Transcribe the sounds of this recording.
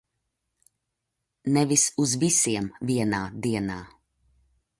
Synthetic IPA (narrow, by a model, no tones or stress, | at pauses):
nɛʋisuzbisiɛmviɛnad̪iɛna